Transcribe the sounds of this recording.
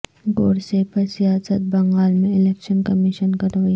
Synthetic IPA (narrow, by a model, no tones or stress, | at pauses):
ɡoːɽsepəsijaːsət̪̚bɐ̃ŋɡaːlmẽɪleːkʃənkɐmiʃənkɐɾʋi